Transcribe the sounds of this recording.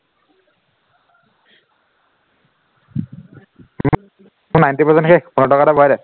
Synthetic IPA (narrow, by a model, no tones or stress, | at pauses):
m | unajntipɔsɛnkʰepunɔʈɔkaɾabʱɔjɾɛ